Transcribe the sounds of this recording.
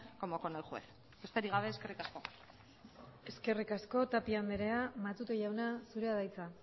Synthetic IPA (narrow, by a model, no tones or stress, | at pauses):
komokonajxuḛθ | est̪eɾiɣ̞aβe̞ːske̞rikasko̞ | e̞ske̞rikasko̞t̪apiambe̞ɾe̞amat̪ut̪oʝawnasuɾe̞aðajt͡sa